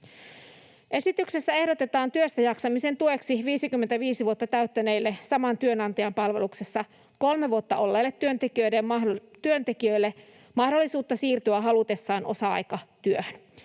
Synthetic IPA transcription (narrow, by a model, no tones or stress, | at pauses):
ʔe̞sit̪ykse̞sːæe̞hdo̞t̪e̞t̪ɑːnt̪yøst̪æjɑksɑmise̞nt̪ue̞ksiʋiːsikymːent̪æʋiːsiʋuot̪ːɑt̪æyt̪ːæne̞jlːesɑmɑnt̪yønɑnt̪ɑjɑmpɑlʋe̞lukse̞sːɑ | ko̞lmeʋuot̪ːɑʔo̞lːeːlːet̪ːyønt̪ek̟iø̞jdemt̪yønt̪e̞k̟iø̞ilːe | mɑhdolːisuːt̪ːɑsiːrt̪yæɦɑlut̪e̞sːɑːnʔo̞sɑɑ̰jkɑt̪yøhøn